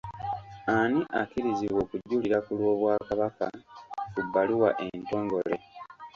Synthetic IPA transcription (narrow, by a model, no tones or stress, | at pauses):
aniʔakiɾiziwo̞ːkuɟːuːliɾakulwo̞ːβwaːkaβaka̰kubːaliwa̰ʔe̞nto̞ːŋɡo̞le̞̰